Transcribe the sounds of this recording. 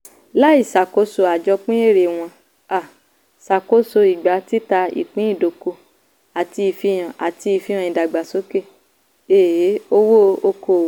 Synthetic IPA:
la˦i˦˨sa˨ko˨˦so˧a˨d͡ʒɔ˧k͡pĩ˦e˦˨ɾe˨w̃ɔ̃˧ | a˨ | sa˨ko˨˦so˧i˨ɡ͡ba˨˦ti˦ta˧ḭ˨k͡pĩ˨˦i˦˨do˨˦ko˧ | a˨ti˧i˧fi˦j̃ã˨a˨ti˧i˧˨fĩ˦ã˧ĩ˨da˨ɡ͡ba˨so˨˦ke˦˨ | e˨˦o˧wo˦˧o˧ko˧˨˦

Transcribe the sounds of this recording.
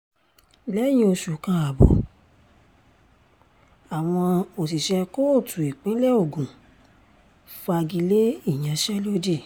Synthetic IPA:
lɛ˦j̃ĩ˧o˧ʃu˨kã˧a˨bɔ̰˨ | a˨w̃ɔ̃˧o˨t̬i˨ʃɛ˧ko˦o˦˨tʰu˨i˨k͡pĩ˨˦lɛ˦o˦˨ɡũ˨ | fa˧ɡi˧le˦i˦˨j̃ã˧ʃɛ˦lo˦di˦˨

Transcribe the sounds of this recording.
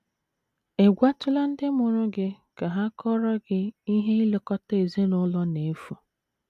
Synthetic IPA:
e˨ɡʷa˦tʊ˦la˦n̩˦dɪ˦mʊ˨ɾʊ˦ɡɪ˦ | ka˨ɦa˦kɔ˦ɾɔ˦ɡɪ˦i˦ɦe˦i˦le˨kɔ˦te˨ze˦nʊ˦lɔ˦ne˨˦fu˨

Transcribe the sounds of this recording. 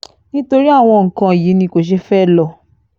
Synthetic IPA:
nĩ˦to˧ɾi˦a˦˨w̃ɔ̃˧ŋ̩˨kã˧˨ji˨˦nĩ˧ko˨ʃ̬e˦fɛ˦˨lɔ˦˨

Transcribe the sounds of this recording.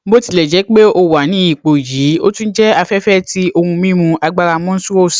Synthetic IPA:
bo˦ti˧lɛ˨d͡ʒɛ˨˦k͡pe˦o˧wa˨nĩ˨˦i˦˨k͡po˨ji˨˦o˦tũ˦d͡ʒɛ˦a˧fɛ˦fɛ˦ti˦o˧hũ˧mĩ˦mũ˧a˧ɡ͡ba˧ɾa˧mɔ̃˦n̩˦su˦ɾo˦˨s

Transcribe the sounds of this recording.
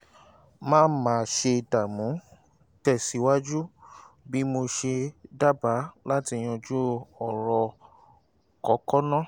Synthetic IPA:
mãː˦n˦mãː˨˦˧ʃe˧ta˨mũ˨˦ | tɛ˦˨si˨˦wa˦d͡ʒu˦ | bi˦mo˧ʃe˧da˦ba˨˦la˦ti˧j̃ɔ̃˧d͡ʒu˦ɔ˨ɾɔ˧ | kɔ˨˦kɔ˦nã˦˨

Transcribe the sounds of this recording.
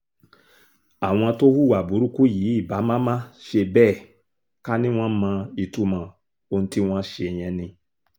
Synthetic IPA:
a˨w̃ɔ̃˧to˦hu˦˨wa˨bu˨˦ɾu˦ku˦jiː˨˦i˦˨ba˨˦mã˦mã˦ʃe˧bɛː˦˨ | ka˦nĩ˦w̃ɔ̃˦mã˧i˨tu˧˦mã˧˨ | o˧n̩ũ˧˦ti˦w̃ɔ̃˦ʃe˧˨j̃ɛ̃˧nĩ˧

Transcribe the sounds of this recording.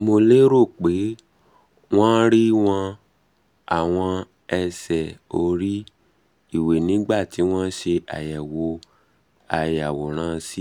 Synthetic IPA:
mo˧le˦ɾo˦˨k͡pe˨˦ | w̃ɔ̃˦ɾi˦w̃ɔ̃˧ | a˨w̃ɔ̃˧ | ɛ˧sɛ˨o˧ɾi˦ | i˦˨we˨nĩ˨˦ɡ͡ba˦˨ti˨˦w̃ɔ̃˦ʃe˧a˨jɛ˨wo˧˦ | a˨ja˨wo˨ɾ̃ã˨˦˧si˦

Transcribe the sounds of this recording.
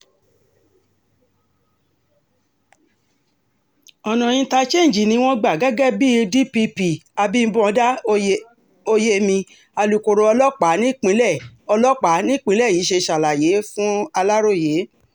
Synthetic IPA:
ɔ˨nɔ̃˨j̃ĩ˧˦ta˧t͡ʃe˦˨n˨d͡ʒi˨nĩ˧˦w̃ɔ̃˦ɡ͡ba˨ɡa˨˦ɡɛ˦bi˦˧di˦pi˧pi˨a˧bi˦bũ˦ɔ˨˧˦da˦ | o˧je˦mĩ˧ | a˧lu˨ko˨ɾo˧ɔ˧lɔ˦k͡pa˨˦nĩ˦k͡pĩ˦lɛ˦˨ɔ˧lɔ˦k͡pa˨˦nĩ˦k͡pĩ˦lɛ˦˨ji˨˦ʃe˧ʃa˨la˨je˨˦fũ˦a˧la˦ɾo˦˨je˨˦

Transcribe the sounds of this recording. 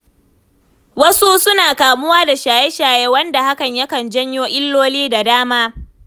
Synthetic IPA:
wɐ˦su˦sʊ˦naː˨kaː˨mʊ˦waː˦da˨ʃaː˨je˦ʃaː˨jɛ˦wɐ˦nda˨ha˦kɐ˨ɲjɐ˦kɐ˨nd͡ʒɐ˦ɲjoː˦ʔɪ˦lːoː˦liː˦da˨daː˦maː˦

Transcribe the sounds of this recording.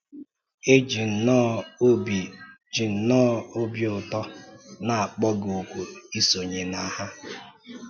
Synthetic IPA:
e˦d͡ʒi˨n̩˨nɔ˦bi˨ | d͡ʒi˨n̩˨nɔ˦o˦bjʊ˨tɔ˦na˨a˨k͡pɔ˦ɡo˨kʷu˨i˦so˨ɲe˨na˦ha˦

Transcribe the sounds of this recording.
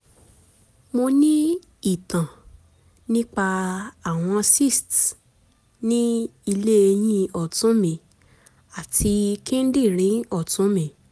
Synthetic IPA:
mo˧nĩ˦ | i˦˨tã˨ | nĩ˦k͡pa˧a˨w̃ɔ̃˧si˦˨st | nĩ˦i˧le˦e˧j̃ĩ˦ɔ˨tũ˨˦mĩ˨ | a˨tʰi˧kĩ˦n̩˦di˦˨ɾĩ˨˦ɔ˦˨tũ˨˦mĩ˨

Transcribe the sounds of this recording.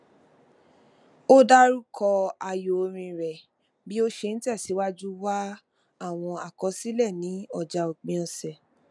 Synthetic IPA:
o˦da˦ɾu˦kʰɔ˧a˧jo˨˧ɾ̃ĩ˧ɾɛ˨ | bi˦o˦ʃe˧ñ̩˦ti˦ɛ˦˨si˨˦wa˦d͡ʒu˦wa˦ | a˦˨w̃ɔ̃˧a˨kɔ˨˦si˦lɛ˦˨nĩ˨˦ɔ˦˨d͡ʒa˧o˨k͡pĩ˧ɔ˧sɛ˨

